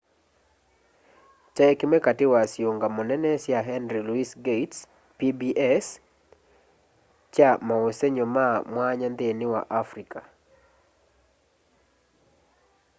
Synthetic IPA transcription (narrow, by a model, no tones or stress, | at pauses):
tɛkmɛkatɪwasjoŋɡamɔnɛnɛsjaɦɛnɾiluisɡets | pibiʔɛs | t͡ʃamaoseɲomamwaɲand̪ɪnɪwa̰ʔafɾikʰa